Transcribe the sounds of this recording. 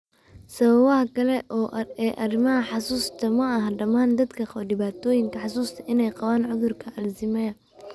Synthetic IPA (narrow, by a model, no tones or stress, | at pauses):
sɐβɐβɐɦɐkʰɐlɛʔɔːʔɛːʔɐrɪmɐɦɐħɑsuːst̪ʰɐmɐɐɦɐɖɐmaːnd̪ɐd̪kʰɐɖɪβaːt̪ʰɔːjɪŋkʰɐħɑsuːst̪ʰɐʔɪnɛjqɑβaːnʕʊðʊrkʰɐʔɐlsɪmɛɐ